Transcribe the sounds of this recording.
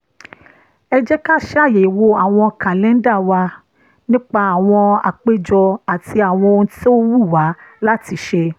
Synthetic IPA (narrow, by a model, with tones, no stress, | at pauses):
ɛ˧d͡ʒɛ˦ka˦˨ʃje˨i˨wo˧a˨w̃ɔ̃˧ka˨lɛ̃˨˦da˦˨wa˧ | nĩ˦k͡pa˧a˨w̃ɔ̃˧a̰˨k͡pe˦d͡ʒɔ˧a˨ti˧a˨w̃ɔ̃˧o˧ñ̩˧ti˦o˦wu˦˨wa˨˦la˦ti˨˧˦ʃe˧